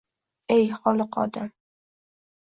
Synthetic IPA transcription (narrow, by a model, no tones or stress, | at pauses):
ejχɒlˠɨqʰɒ̰d̪am